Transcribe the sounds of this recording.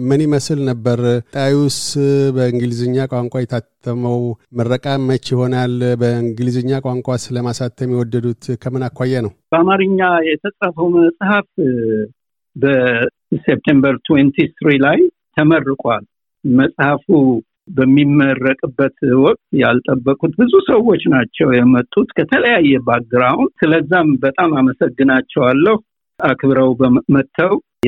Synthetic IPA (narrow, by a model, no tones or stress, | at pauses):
mɨniməslnəbːəɾʼawiwʊst̪bəɨŋɡɨlizɨɲːakʼaŋkʷʼajɛt̪ʰat̪ʰːəməwmərːəkʼamət͡ʃːjɪho̞nalbəɨŋɡɨlizɨɲːakʼaŋkʷʼasɨləmasat̪ʰːjɛmiwɔd̪ːəd̪ut̪kʰəmɨnakʰʷːajːɛnəwbəamaɾɨɲːajɛt̪ʰəsʼɾafəwməsʼhaf | bə | sep̚t̪ʰembəɾt̪ʰwent̪ʰist̪ɾilaj | t̪ʰəmərːɨkʼʷal | məsʼhafu | bəmːimːərːəkʼɨbːət̪wɔkʼt̪jalt̪ʼəbːəkʼut̪bɨzusəwo̞t͡ʃːnat͡ʃːɛwjɛmət̪ʼːut̪kʰət̪ʰələjajːɛbaɡɨɾahunsɨləzːambət̪ʼamaməsəɡːɨnat͡ʃːɛwalːəhu | akʰbɨɾəwbəmət̪ʰːəw